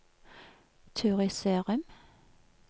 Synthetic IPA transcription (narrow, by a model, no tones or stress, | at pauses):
t̪ʰʉːʁɪseːʁʉm